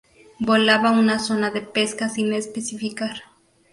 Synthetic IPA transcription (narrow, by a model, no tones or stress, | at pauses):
bolaβaunaso̞naðe̞pe̞skasinespesifikaɾ